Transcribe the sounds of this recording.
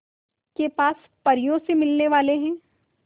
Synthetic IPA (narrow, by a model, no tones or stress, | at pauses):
kepaːs | pɐɾijõsemɪlneʋaːleɦɛ̃ː